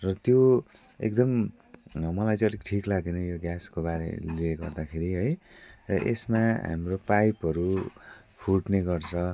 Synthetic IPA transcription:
rʌt̪jo | ḛk̚d̪ʌm | mʌlajt͡sʌ̃ʌlikʈʰiklaɡenʌjoɡjaskobaɾḛlieɡʌrd̪akʰeɾiɦʌj | rʌʔḛsmaɦa̰mropajpɦʌɾu | pʰuʈneɡʌrt͡sʰʌ

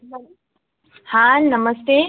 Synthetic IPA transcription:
hãnɐməst̪e

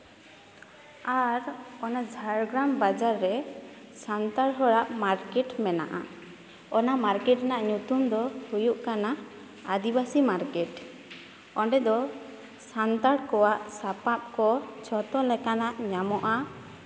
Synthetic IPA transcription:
aɾɔnad͡ʒʱaɾɡɾambad͡ʒaɾːɛ | sant̪aɽɦɔɽaʔmaɾkɛʈmɛna̰ʔa̰ | ɔnamaɾkɛʈnaʔɲut̪umd̪ɔhujuʔkana | ad̪ibasimaɾkɛʈ | ɔɳɖɛd̪ɔ | sant̪aɽkɔwaʔsapap̚kɔt͡ʃʰɔt̪ɔlɛkanaʔɲamɔʔa

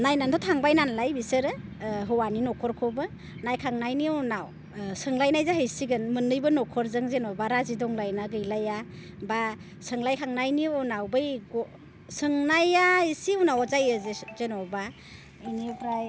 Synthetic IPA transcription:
najnandʰɔtʰaŋbajnanlajbisɯɾɯɦɯwaninɔkʰɔɾkʰɔbɯ | najkʰaŋnajniɔnaw | sɯŋlajnajzaɦɯjsiɡɯnmɯnɯjbɯnɔkʰɔɾzɯŋzenɔbaɾazidɔŋlajnaɡɯjlaja | ba | sɯŋlajkʰaŋnajniɔnawbɯjɡɔ | sɯŋnajaisiwnawzajɯzezenɔba | inipɾaj

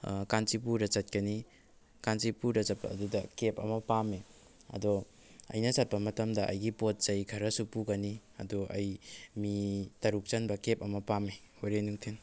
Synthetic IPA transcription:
kant͡ʃip̬uɾɐt͡ʃɐt̚kɐni | kant͡ʃipuɾɐt͡ʃɐt̚pɐ̰ːdudɐkep̚ɐ̰mɐpame | ɐ̰dɔ | ɐ̰jnɐsɐt̚pɐmɐtɐmdɐʔɐ̰jɡipot̚zɐjkʰɐɾɐsupuɡɐniɐ̰dɔʔɐjmitɐɾuk̚t͡ʃɐnbɐkep̚ɐmɐpame | oɾenuŋtʰen

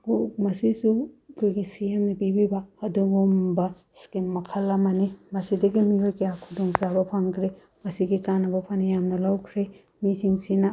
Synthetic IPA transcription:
omɐsisukʰojɡisiemnɐpibibɐːdumombɐ | skimːɐkʰɐlːɐmɐnimɐsidɐɡimiojkejakʰudoŋsabɐpʰaŋkʰɾe | mɐsiɡikanɐbɐpʰanijamnɐlawkʰɾe | mitʰiŋsinɐ

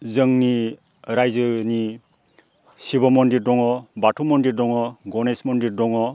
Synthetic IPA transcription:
zɯŋni | ɾajzɯni | sibɔmɔndiɾdɔŋɔbatʰumɔndiɾdɔŋɔɡɔnesmɔndiɾdɔŋɔ

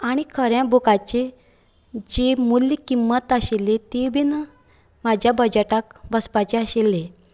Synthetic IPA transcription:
aɽ̃ikʰəɾjãbokat͡ɕe | d͡ʑemulːikimːət̪əɕelːet̪ebʱinə | mad͡ʑʱjabəd͡ʑaʈak̚bəspat͡ɕeəɕelːe

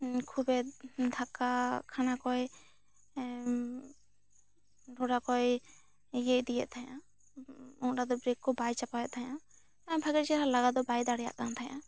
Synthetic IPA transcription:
kʰubɛd̪ʱakakʰanakɔj | ɖʱɔɖakɔj | jeʔd̪ijɛʔ̪̚t̪ʰajã | ɔ̃ʈad̪ɔbɾekkːɔbajt͡ʃapajɛʔ̪̚t̪ʰajã | t̪ajbʱaɡɛt̚t͡ʃɛɾalaɡad̪ɔbajd̪aɽɛja̰ʔkant̪ʰaja̰

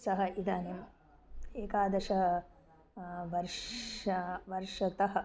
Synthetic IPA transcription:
sɐɦɐ̆ʔid̪aːnim | eːkaːd̪ɐʃɐɐ | ʋɐɾʂɐʋɐɾʂɐt̪ɐɦɐ̆

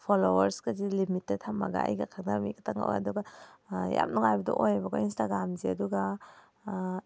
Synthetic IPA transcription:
pʰolowɐɾskazilimitːetʰamːa̰ɡa̰ɐ̰jɡakʰak̚namikatʰaŋa̰wɐ̰duɡaja̰mnuŋajbɐdɔ̰ʔojabakɔinstaɡɾamziɐduɡa

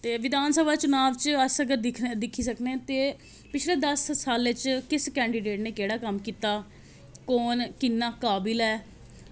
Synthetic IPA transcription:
t̪eːʋɪd̪aːnsəbʱaːt͡ʃʊnaːʋt͡ʃəsəɡəɾd̪ɪkʰd̪ɪkʰːiːsəkneːt̪eː | pɪt͡ʃʰleːd̪əsːaːlʋɪt͡ʃkɪskɛ̃ːɳɖiːɖeːʈneːkeːɽaːkəmkiːt̪aː | koːnkɪnːaːkaːbɪlɛː

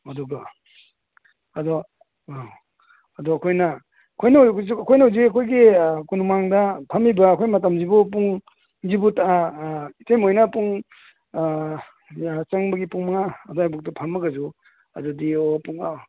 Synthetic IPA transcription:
ɐdɔɡa | ɐdɔ | ɐdɔɐkʰojnɐ | ɐkʰojnazɐkʰojnauziɐkʰojɡikunumaŋdɐpʰɐmibɐːkʰojmɐtɐmd͡ʒibop̬uŋ | zibutaaitejmojnɐpuŋ | t͡ʃɐŋbɐɡipuŋmɐŋaːdɔajbuk̚tupʰɐmːɐɡɐzu | ɐ̰dudiopuŋa

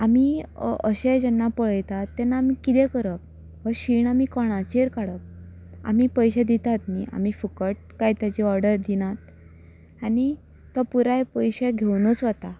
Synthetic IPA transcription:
amiəɕed͡ʑɛnːapəɭəjt̪at̪ːɛnːaːmikit̪ɛ̃kəɾək̚ | ɦəɕiːɳamikɔɽ̃at͡ɕeɾkaɽək̚ | a̰miːpəjɕed̪it̪at̪niʔa̰mifukəʈ̚kajt̪jat͡ɕiɔɾɖəɾd̪inat̪̚ | aɽ̃i | t̪ːəpuɾajpəjɕeɡʱewnɔt͡sʋat̪a

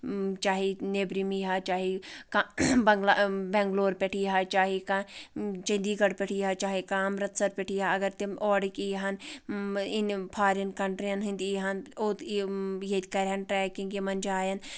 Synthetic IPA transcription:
t͡ʃaːɦineːbɾimiɦaːt͡ʃaːɦikabɐŋɡlabɛ̃ːŋɡloːɾpɛʈʰiːɦaːt͡ʃaːɦikat͡ʃɐnd̪iːɡɐɽpɛʈʰiːɦaːt͡ʃaːɦikaːmɾɐt̪sɐɾpɛʈʰiːɦaɐɡɐɾt̪imɔːɽikiɦɐn | inpʰaːɾɐnkɐɳʈɾijɐnɦĩnd̪iɦɐnoːt̪jet̪kɐɾɦɐnʈɾɛːkĩŋɡemɐnd͡ʒaːjɐn

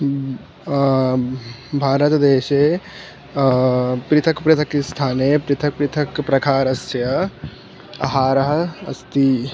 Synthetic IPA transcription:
bʱaːɾɐt̪d̪eːʃeː | pɾɪt̪ʰɐkpɾɪt̪ʰɐkist̪ʰaːneːpɾɪt̪ʰɐk̚pɾɪt̪ʰɐkpɾɐkʰaːɾɐsjɐ | ɐ̰ɦaːɾɐɦɐɐst̪i

